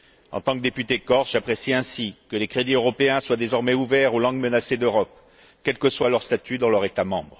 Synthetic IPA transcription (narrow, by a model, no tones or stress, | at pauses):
ɑ̰̃t̪ɑ̃kd̪epyt̪ekɔʁʒapχesiɛ̃sikəlekχed̪iøʁɔpeɛ̃swad̪ezɔʁmɛuvɛʁolɑ̃ɡmənased̪øʁɔp | kʲɛlkəswalœʁst̪at̪yd̪ɑ̃lœʁet̪amɑ̰̃bʁ